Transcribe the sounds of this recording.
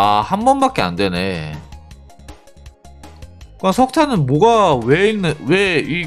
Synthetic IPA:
ahambʌnbak͈e̞a̰nde̞ne̞ | kɯasʰʌk̚tʰanɯnmoɡaweinːɯwei

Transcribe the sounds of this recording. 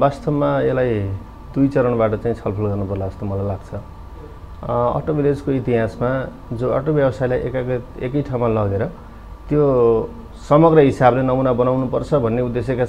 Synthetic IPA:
bast̪ʌbmaelaj | d̪ujt͡sʌɾʌɳ̃baʈʌt͡saĩt͡sʰʌlpʰʌlɡʌrnupʌrlaʌst̪mʌlajlaɡt͡sʰʌ | ʌ̰ʈobiled͡zkoit̪iɦasma | d͡zõʌ̰ʈobjʌbʌsajlajʔekaekʌjʈʰawmalʌɡd̪eɾʌ | t̪jo | sʌmʌɡrʌɦisablenʌmunabʌnawnupʌrt͡sʰʌbʱʌnːeud̪ːesjʌka

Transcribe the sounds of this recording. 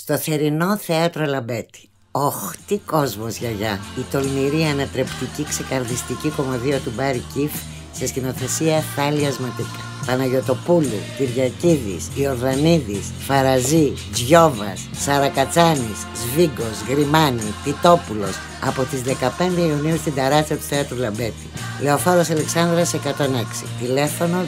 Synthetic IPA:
st̪o̞θe̞ɾino̞θeɐt̪ɾo̞lɐbe̞t̪i̥ | oxt̪iko̞zmo̞zʝɐʝɐit̪o̞lniɾiɐnɐt̪ɾe̞pt̪icikse̞kɐɾðist̪iciko̞mɐðio̞t̪ubɐɾicif | sest̪ino̞θe̞siɐθɐliɐzmɐt̪ikɐ | pɐnɐʝo̞t̪o̞pulṵt̪iɾʝɐciðḭsio̞ɾðɐniðis | fɐɾɐzi | d͡zʝo̞vɐsːɐɾɐkɐt͡sɐniszviɡo̞zɣɾimɐnit̪it̪o̞pulo̞s | ɐ̰po̞t̪izðe̞kɐpe̞nd̪e̞iuniust̪ind̪ɐɾɐst̪iɐt̪u̥θeɐt̪ɾulɐmbe̞t̪ile̞o̞fo̞ɾosɐle̞ksɐnd̪ɾɐsekɐt̪o̞ne̞ksḭt̪ile̞fo̞no̞

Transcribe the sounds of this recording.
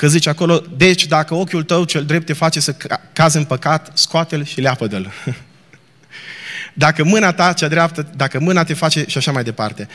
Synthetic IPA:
kəzit͡ʃako̞lo̞d̪e̞t͡ʃʲd̪akəo̞kʲult̪əwt͡ʃe̞ld̪ɾe̞p̚t̪ːefat͡ʃe̞səkazɨnpəkat̪skoat̪elʃileapəd̪əl | d̪akəmɨnat̪at͡ʃad̪ɾeap̚t̪əd̪akəmɨnat̪e̞fat͡ʃe̞ʃiaʃamajd̪e̞pa̰rt̪e̞

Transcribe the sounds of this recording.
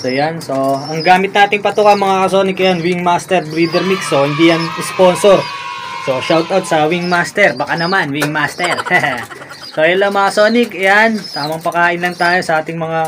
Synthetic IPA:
sojanso̞ɐŋɡaːmɪt̪naːt̪ɪŋpɐt̪ukɐnmɐŋakɐsoːnɪkʔɛjanwiŋmaːst̪ɛɾwiːd̪ɛɾmiksːohɪnd̪iːjɐŋɪspo̞ːnsoɾso̞ʃawt̪awt̪̚sɐwiŋmast̪ɛɾbɐkanɐmanwɪŋmaːst̪ɛɾhɛ | sojɐlːɐmɐŋɐso̞ːnɪkʔjant̪aːmɐŋpɐkaːʔɪnlɐŋt̪aːjo̞sɐʔaːt̪ɪŋmɐŋa

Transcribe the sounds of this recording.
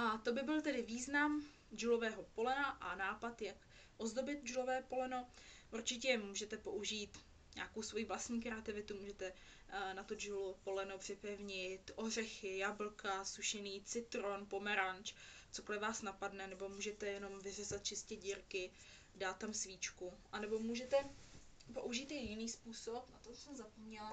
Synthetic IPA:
ʔat̪o̞bɪbɪlt̪ɛdɪviːznam | d͡ʒulo̞vɛːɦo̞po̞lɛnaʔanaːpat̪jak | ʔo̞zdo̞bɪt̪̚d͡ʒulo̞vɛːpo̞lɛno̞ʔuɾt͡ʃɪc̬ɛmuːʒɛt̪ɛpo̞ʔuʒiːt̪ | ɲa̰ːkowsvo̞jiːvlast̪ɲiːkɾɛat̪ɪvɪt̪umuːʒɛt̪ɛ | nat̪od͡ʒulopo̞lɛnopr̥ɪpɛvɲɪt̪ʔo̞ɦr̝ɛxɪjabl̩kasuʃɛniːt͡sɪt̪ɾo̞npo̞mɛɾant͡ʃt͡soklɛvaːsnapadnɛnɛbo̞muːʒɛt̪ɛjɛno̞mvɪrɛzat̪̚t͡ʃɪscɛɟiːɾkɪ | daːt̪ːamsviːt͡ʃkuʔanɛbo̞muːʒɛt̪ɛ | po̞̰ʔuʒiːt̪jɛjɪniːspuːsopnat̪osɛmzapomɲɛla

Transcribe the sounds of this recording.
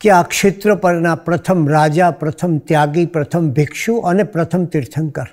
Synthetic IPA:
keakʃɪt̪ɾəpəɾnapɾət̪ʰəmɾad͡ʒapɾət̪ʰəmt̪jaɡipɾət̪ʰəmbʱɪkʃũʔənepɾət̪ʰəmt̪ɪɾt̪ʰəŋkəɾ

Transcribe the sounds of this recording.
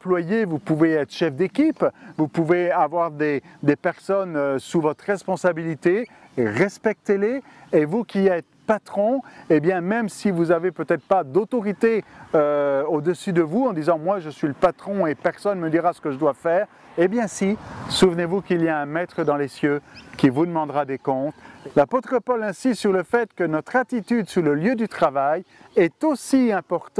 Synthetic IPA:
plwajevupuveɛt̪χə̥ʃɛfd̪ekʲipvupuveavwaʁd̪ed̪epɛʁsɔnøsuvɔt̪χʁɛspɔ̃sabilit̪e | ʁɛspɛk̚t̪eleː | vukʲiɛt̪χpat̪χɔ̃ebjɛ̃mɛmsivuzavepøt̪ɛt̪χə̥pad̪ot̪ɔʁit̪eøod̪əsyd̪əvuɑ̃d̪izɑ̃mwaʒəsɥiləpat̪χɔ̃epɛʁsɔnməd̪iʁasə̥kəʒəd̪wafɛːʁ | ebjɛ̃sisuvnevukilijaɛ̃mɛt̪χəd̪ɑ̃lesjøkʲivud̪əmɑ̃d̪ʁad̪ekɔ̃t̪lapot̪χəpɔlɛ̃sist̪syʁləfɛt̪kənɔt̪χat̪it̪yd̪suʁləljød̪yt̪χavajɛt̪osiɛ̃pɔʁt̪

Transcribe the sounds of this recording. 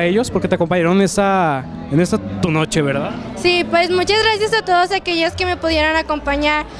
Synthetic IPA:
eʝo̞spo̞ɾke̞t̪eako̞mpaɲaɾonenesa | ene̞sat̪uno̞t͡ʃe̞βe̞ɾðað | sipwe̞smut͡ʃazɣɾasjasat̪o̞ðosake̞ʝoske̞me̞puðje̞ɾonako̞mpaɲaɾ

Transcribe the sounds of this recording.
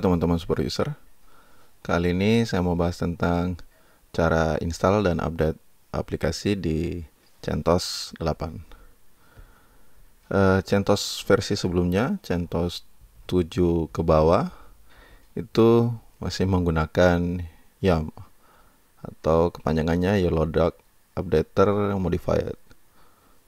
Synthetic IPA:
t̪əmant̪əmansu̥pərfṵsər | kaliːnisajaməmbaɦast̪ənt̪aŋ | t͡ʃaɾaḭnst̪aldanʔa̰p̚det̪̚ | ʔa̰plikasidi | t͡ʃɛ̰nt̪ɔsdəlapan | ʔət͡ʃɛnt̪ɔsfɛrsisəbəlumɲat͡ʃɛnt̪ɔst̪ud͡ʒukəbawa | it̪u | masɪhməŋɡunakan | jam | a̰t̪awkə̥paɲd͡ʒaŋanɲajəlodak̚ | ap̚det̪ːərmodifa̰jə̰t̪̚

